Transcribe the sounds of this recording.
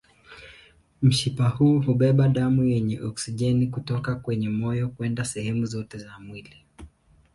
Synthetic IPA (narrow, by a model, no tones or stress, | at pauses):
m̩ʃipahuːhuɓɛɓaɗamujɛɲɛʔɔksiʄɛnikutɔkakwɛɲɛmɔjɔkuɛndasɛhɛmuzɔtɛzamwili